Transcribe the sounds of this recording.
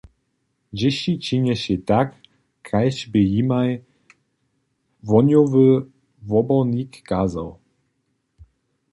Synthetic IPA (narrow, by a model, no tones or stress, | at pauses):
d͡ʑɛɕit͡ɕiɲɛɕɛt̪akː | ajɕbɘjimaj | vɔɲʲɔvɘ | vɔbɔnikːaːzaw